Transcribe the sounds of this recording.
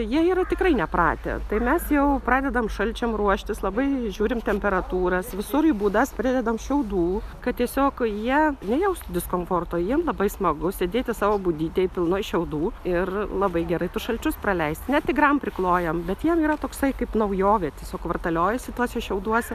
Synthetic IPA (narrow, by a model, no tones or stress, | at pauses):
jiɛiːɾɐt̪ʲɪkrɐɪnʲɛpɾɑ̰ːt̪ʲḛt̪ɐɪmʲɛsjɛʊprɑːd̪ʲɛd̪ɐmʃɐlʲt͡ʃʲɛmruɔʃʲt̪ʲɪslˠɐbɐɪʒʲuːɾʲɪmt̪ʲɛmʲpʲɛɾɐt̪uːɾɐsʋʲɪsʊɾibuːd̪ɐspʲɾʲɪd̪ʲɛd̪ɐmʃʲɛʊd̪uːkɐttʲiɛsʲoːkjiɛnʲɛjɛʊst̪d̪ʲɪskoːmfoːrt̪oːjiɛmlˠɐbɐɪsmɐɡʊsʲeːd̪ʲeːt̪ʲɪsɑːʋoːbʊd̪ʲiːt̪ʲeːpʲɪlˠnojʃʲɛʊd̪uːɪrlˠɐbɐɪɡʲɛɾɐɪt̪ʊsʃɐlʲt͡ʃʲʊsprɐlʲɛɪsʲt̪nʲɛtt̪ʲɪɡrɐmpʲɾʲɪklˠoːjɛmbʲɛt̪jiɛmiːɾɐt̪oːksɐɪkɐɪpnɐʊjoːʋʲɛt̪ʲiɛsʲoːkʋɐrt̪ɐlʲoːjɛsʲɪt̪uɔsʲɛʃʲɛʊd̪uɔsʲɛ